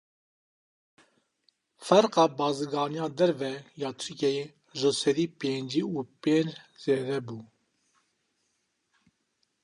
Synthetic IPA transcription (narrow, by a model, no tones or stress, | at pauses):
fɛɾqɑːbɑːziɡɑːnijɑːd̪ɛɾvɛjɑːt̪ʰyɾkʲɛje | ʒəsɛd̪iːpeːnd͡ʒiuːpeːnd͡ʒz̥eːd̪ɛbuː